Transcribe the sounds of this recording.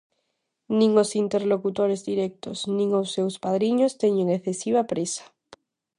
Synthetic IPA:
nĩŋosint̪e̞ɾlokut̪oɾezðiɾek̚t̪o̞snĩŋosːe̞wspað̞ɾiɲost̪eɲeŋeθesiβ̞apɾesḁ

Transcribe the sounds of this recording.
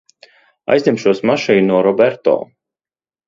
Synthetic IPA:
a̰jzʲnʲimʃuɔsmaʃiːuɔɾɔbɛɾt̪ɔ̰ː

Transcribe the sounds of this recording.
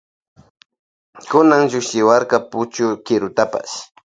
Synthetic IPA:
kʊnaŋʒʊkʃɪwaɾkɑpʊt͡ʃʊkɪɾʊt̪apa̰s

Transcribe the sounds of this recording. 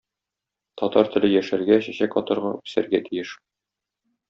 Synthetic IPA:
t̪ɒt̪ɑɾt̪ɘ̆lɘjæʃæɾɡæɕæɕækɒt̪ɤ̆ɾʁɑʉ̥sæɾɡæt̪ʰijɘʃ

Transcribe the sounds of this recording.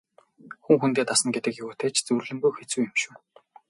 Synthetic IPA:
xuŋxunt̪eːt̪asə̆nɡet̪ɘ̆kjʊɣuːt̪ʰeːt͡ɕʰt͡sɵrɮɘ̆mbuxet͡suːjɪ̆mʃuː

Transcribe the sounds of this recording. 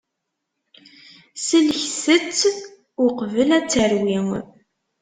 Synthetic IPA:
səlçsət͡sː | ʊqvəlæt͡sːəɾwiŋ

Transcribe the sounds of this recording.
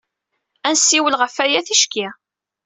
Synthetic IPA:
ænsːiwəlʁəfæjæθiʃki

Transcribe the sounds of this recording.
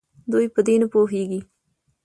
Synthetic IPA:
d̪ujpəd̪enapoɦeɡi

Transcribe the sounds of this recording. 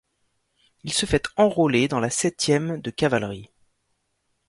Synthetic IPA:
ilsəfɛt̪ɑ̃ʁoled̪ɑ̃lasɛt̪jɛmd̪əkavalʁi

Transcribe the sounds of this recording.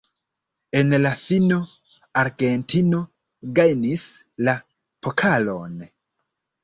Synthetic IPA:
e̞nlafino̞ | aɾɡe̞ntʰino̞ | ɡajnisla | pʰokʰalo̞̰n

